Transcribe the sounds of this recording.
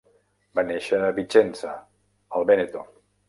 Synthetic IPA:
baneʃaβit͡ʃensa | alˠβenet̪o

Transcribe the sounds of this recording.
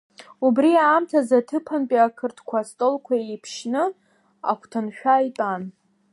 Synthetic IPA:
ubriaːmtʰazatʰɨpʰanpʼiakʰɨrtʰkʷʰastʼolkʷʰaejpʰʃnɨ | a̰kʷʰtʰɨnʃᶣajtʼan

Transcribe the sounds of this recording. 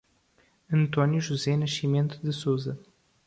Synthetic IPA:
ɨnt̪onjuʒuzenəʃimʲent̪d̪ɨsuzɐ

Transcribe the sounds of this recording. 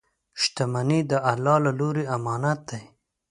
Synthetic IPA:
ʃt̪amanid̪əʔalːɑːlaloɾeamɑnat̪̚d̪aj

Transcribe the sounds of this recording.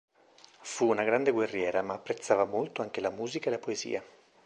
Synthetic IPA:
fuːnaɡɾand̪eɡwerːjɛːɾamaːpːɾet̪sːaːvamolt̪oaŋkelamuːzikaelapoezḭːa

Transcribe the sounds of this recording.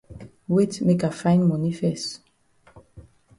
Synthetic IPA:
wetmekafãɪ̃nmɔnifɛst

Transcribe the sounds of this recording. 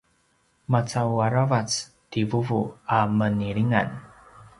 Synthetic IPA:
mat͡sawaɾavat͡s | tivuvuaməniɭiŋa̰n

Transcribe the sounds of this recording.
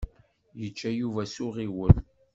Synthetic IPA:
jət͡ʃːæjuvæsʊʁiwəl

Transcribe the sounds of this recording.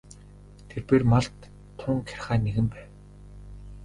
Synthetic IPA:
t̪ʰerpeːrmaɮt̪ʰː | ʊŋkʰæ̥rʲχaːneɣɘ̆mpæːw

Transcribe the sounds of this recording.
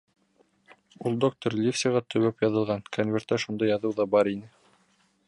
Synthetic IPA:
ulˠd̪ok̚t̪oɾlʲefsʲiʁɑt̪ʰɵ̆wæpjɑðɤ̆lˠʁɑnkʰonvʲert̪æʃund̪ɑjɑðɤwðɑbɑɾinɘ

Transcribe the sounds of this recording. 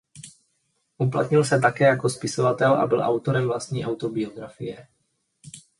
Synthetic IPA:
ʔup̬la̰t̪ɲɪlsɛt̪akɛːjako̞spɪsovat̪ɛlʔa̰bɪlʔa̰wt̪oɾɛmvlast̪ɲiːʔawt̪o̞bɪo̞ɡɾafɪjɛ

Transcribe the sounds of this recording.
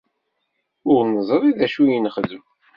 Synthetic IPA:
ʊɾnəzˤɾˤiðæʃujənχəðəm

